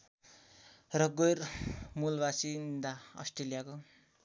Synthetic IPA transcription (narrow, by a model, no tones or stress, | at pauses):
rʌɡojrmulbasid̪aʌ̰sʈrelijako